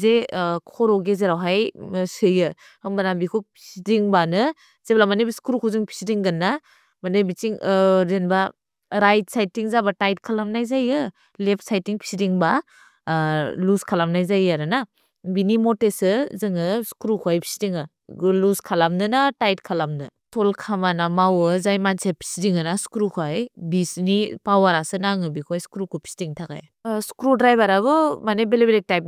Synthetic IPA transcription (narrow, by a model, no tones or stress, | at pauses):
zekʰɔɾɔɡezeɾawɦajsɯjɯ | ɯbanambikʰupʰi̥sidiŋbanɯ | z̥eblamanebiskuɾukʰuwzɯŋpʰi̥sidiŋɡɐnːa | manɯbit͡ʃiŋɾenba | ɾajt̚sajtiŋzabatajt̚kʰalamnajzajɯ | lep̚ʰsajtiŋpʰi̥sidiŋba | luskʰalamnajzajaɾɯna | binimɔtesɯzɯŋɯskɾukʰajpʰi̥sidiŋɯ | luskʰalamnɯnatajt̚kʰalamnɯtʰɔlkʰamanamawɯzajmansepʰi̥sidiŋɯnasu̥kɾukʰwajbisnipawaɾasɯnaŋɯbikʰojskɾukʰupʰi̥sidiŋtʰaka̰j | skɾudɾajbaɾaɡɯmanebelebelek̚tajp̚